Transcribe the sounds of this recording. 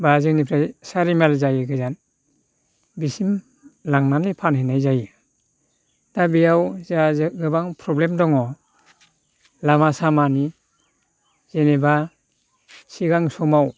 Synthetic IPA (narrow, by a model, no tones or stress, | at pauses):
bazɯŋnipʰɾajsaɾimalzajɯɡɯzan | bisim | laŋnanipʰanhenajzajɯ | d̥abijawzazɯɡɯbaŋpʰɾɔblemdɔŋɔ | lamasamani | z̥eneba | siɡaŋsɔmaw